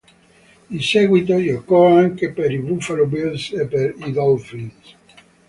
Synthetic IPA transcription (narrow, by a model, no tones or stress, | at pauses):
insɛɡwit̪ojokɔaŋkepeɾivufalobilsepːeɾid̪ɔlfins